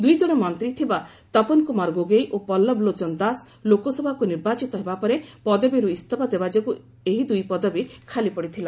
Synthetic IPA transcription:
d̪ujd͡ʒɔɽ̃ɔmɔnt̪ɾit̪ʰiba | t̪ɔpɔnkumaɾɡoɡejʔopɔlːɔblot͡ʃɔnd̪as | lokɔsɔbʱakuniɾbat͡ʃit̪ɔɦebapɔɾepɔd̪ɔbiɾuist̪ʰɔbad̪ebad͡ʒɔku | eɦid̪ujpɔd̪ɔbikʰalipɔɽit̪ʰila

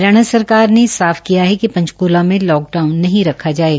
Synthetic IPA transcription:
ɾɐɽ̃əsɐɾkaːɾnesaːfkijaɦɛkipɐ̃ɲt͡ʃkoːlamẽlɔːk̚ɖaːʊnːɐɦĩɾɐkʰad͡ʒaːeːɡ

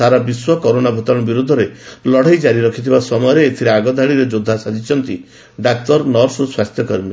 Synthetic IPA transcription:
aɾabiswɔkɔɾonabʱot̪ɔɽ̃ɔbiɾud̪ʱːɔɾelɔɽ̤ajd͡ʒaɾiɾɔkʰit̪ʰibasɔmɔjɔɾeet̪ʰiɾeaɡɔd̪ʱaɽiɾed͡ʒod̪ʱːasad͡ʒit͡ʃʰɔnt̪i | ɖak̚tɔɾnɔɾsuswast̪ʰjɔkɔɾmi

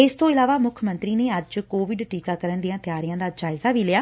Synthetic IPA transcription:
ɪst̪õːɪlaːʋaːmʊkʰmənt̪ɾiːneːəd͡ʒkoːʋɪɖʈiːkaːkəɾənd̪ijãːt̪ɪjaːɾɪjãːd̪aːd͡ʒaːɪzaːʋiːlɪjaː

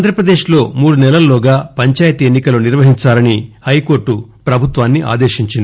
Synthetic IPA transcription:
nd̪ʱɾɐpɾɐd̪eːʃlo̞ːmuːɽunɛlɐlloːɡaːpɐɲt͡ʃaːjɐt̪ienːikɐluniɾʋɐɦiɲt͡ʃaːlɐnihɐjko̞ːɾʈːupɾɐbʱut̪ʋaːnːiʔa̰ːd̪eːʃiɲt͡ʃind̪

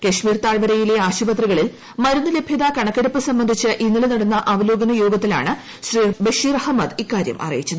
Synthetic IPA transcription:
kɐɕmiːrt̪aːɭʋɐɾɐjile̞aːɕubɐt̪riɣɐɭil | mɐɾunːɨle̞bʱjɐðakɐɳɐkːeɽupːɨsɐmbɐnd̪ʱit͡ɕːɨʔinːilɨnɐɽunːɐʔɐʋɐlo̞ːɡɐnɐjo̞ːɡɐt̪ːila̰ːɳɨ | ɕribeʂiːrɐhɐmːɐd̪ikːaːɾjɐ̰mʔɐ̰rɐ̰jit͡ɕːɐðɨ

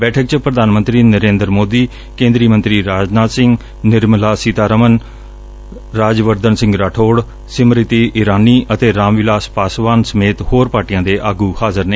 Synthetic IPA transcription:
bɛːʈʰək̚t͡ʃəpɾəd̪ʱaːnmə̃nt̪ɾiːnəɾẽːnd̪əɾmoːd̪iː | kẽːnd̪ɾiːmənt̪ɾiːɾaːd͡ʒnaːt̪sɪ̃ŋɡ | nɪɾmlaːsit̪aːɾəmən | ɾaːd͡ʒʋəɾd̪ənsɪ̃ŋɡɾaːʈʰoːɽ | sɪmɾɪt̪iːʔɪɾaːniːʔət̪eːɾaːmʋɪlaːspaːsʋaːnsəmeːt̪hoːɾpaːʈijãːd̪eːʔaːɡuːhaːzəɾneː

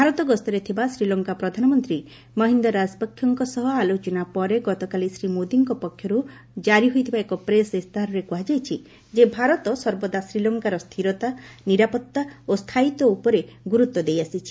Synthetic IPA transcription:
bʱaɾɔt̪ɔɡɔst̪ɔɾet̪ʰibasɾilɔŋkapɾɔd̪ʱanɔmɔnt̪ɾi | mɔɦind̪ɔɾasbɔkʰːjɔŋkɔsɔɦɔalot͡ʃɔnapɔɾeɡɔt̪ɔkalisɾimod̪iŋkɔpɔkʰːjɔɾu | d͡ʒaɾiɦojt̪ʰibaekɔpɾesist̪ʰaɾɔɾekuɦad͡ʒajt͡ʃʰi | d͡ʒebʱaɾɔt̪ɔsɔɾbɔd̪asɾilɔŋkaɾɔst̪ʰiɾɔt̪aniɾapɔt̪ːaost̪ʰait̪ɔupɔɾeɡuɾut̪ːwɔd̪ejasit͡ʃʰi̥

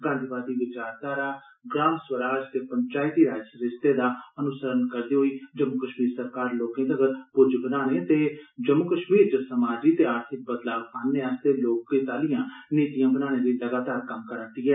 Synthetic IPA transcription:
ɡãːnd̪ʱiʋaːd̪iːʋɪt͡ʃaːɾd̪aːɾaː | ɡɾaːmswəɾaːd͡ʒt̪eːpəɲt͡ʃaːɪt̪iːɾaːd͡ʒəsəɾɪst̪eːd̪aːənʊsəɾənkəɾd̪eːɦoiːd͡ʒəmːʊkəʃmiːɾsəɾkaːɾloːkẽːt̪əɡəɾpʊɾd͡ʒbənaːneːt̪eːd͡ʒəmːʊkəʃmiːɾd͡ʒəsəmaːd͡ʒiːt̪eːaːɾt̪ʰɪk̚bət̪laːbãːnːeːaːst̪eːloːkːet̪aːlɪjãːneːt̪ijãːbənaːñẽːd̪iːləɡaːt̪aːɾkəmkəɾənt̪iːɛː

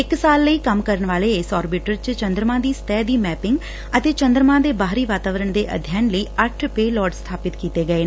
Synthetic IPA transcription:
ɪksaːlːəiːkəmkəɾəɳʋaːleːɪsɔːɾbɪʈəɾt͡ʃt͡ʃə̃nd̪ɾəmãːd̪iːst̪ɛːd̪iːmɛːpɪŋɡ | ət̪eːt͡ʃənd̪ɾmãːd̪eːbaːɦɾiːʋaːt̪aːʋəɾəɳd̪eːʔə̰d̪ʱjaːnləiːəʈʰpeːlɔːɖst̪ʰaːpɪt̪kiːt̪eːɡəeː

